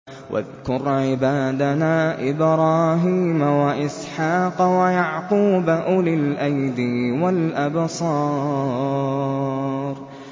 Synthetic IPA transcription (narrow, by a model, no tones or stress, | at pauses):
wʔa̰ðkʊɾˤʕɪbaːd̪anaːʔɪbɾˤɑːɦiːmawaʔɪsħɑːqwajaʕquːbaʔʊlɪlʔajd̪ɪwalʔabsˤɑː | ɾˤ